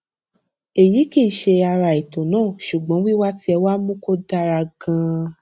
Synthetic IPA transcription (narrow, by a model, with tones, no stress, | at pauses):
e˨ji˨˦ki˦˨ʃe˧a˧ɾa˨i˨to˨nãː˦˨ʃu˨ɡ͡bɔ̃˨˦wi˦wa˦ti˦ɛ˧wa˦mũ˦ko˦da˧ɾa˧ɡã˧